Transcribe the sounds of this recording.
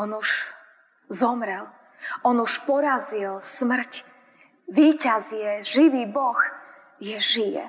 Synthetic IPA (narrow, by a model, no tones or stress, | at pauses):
ɔnuʃ | zɔmɾɛl | ɔnuʃpɔɾazilsmr̩c | ʋiːcazɪɛʒiʋiːbɔx | jɛʒijɛ̰